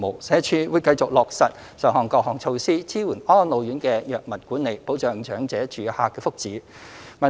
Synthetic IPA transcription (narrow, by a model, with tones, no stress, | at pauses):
mo˨˩wsɛː˨˥t͡ʃʰyː˧wuː˨˧jkɐ˧jt͡sʊ˨k̚lɔː˨k̚sɐ˨t̚ | sœː˨˩ŋhɔː˨˩ŋkɔː˧k̚hɔː˨ŋt͡sʰo˧wsiː˥t͡sʰiː˥wuː˨˩nɔː˥nlo˨˧wjyː˨˥nkɛː˧jœː˨k̚mɐ˨˩nkuː˨˥nːe˨jpo˨˥wt͡ʃœː˨ŋt͡ʃœː˨˥ŋt͡sɛː˨˥t͡ʃyː˨˩haː˧kːɛː˧fʊ˥k̚t͡siː˨˥ | mɐ˨˩